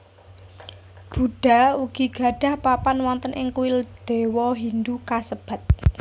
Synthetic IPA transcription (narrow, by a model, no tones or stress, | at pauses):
b̥ṳɖ̥a̤uɡ̥iɡ̥a̤ɖ̥a̤hpapanwɔnt̪ənʔɪŋkuwɪld̪̥e̤wɔɦind̪ukasəb̥ä̤t̪̚